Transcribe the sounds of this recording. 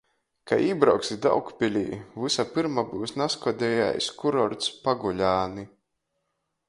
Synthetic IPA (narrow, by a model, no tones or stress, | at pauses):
kʰa̰ʔiːbɾawksid̪a̰wkpʲilʲḭːvɨsapɨɾmabuːsnaskɔd̪ʲɛja̰jskuɾɔɾt̪spaɡulʲaːni